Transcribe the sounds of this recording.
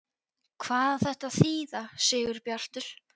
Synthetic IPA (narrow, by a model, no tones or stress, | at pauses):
kʰvaːðθɛht̪aðθiːðasɛːɣʏɾpjar̥t̪ʏl̥